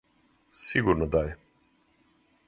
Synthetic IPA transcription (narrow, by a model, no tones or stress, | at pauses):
siɡuɾnɔd̪ajɛ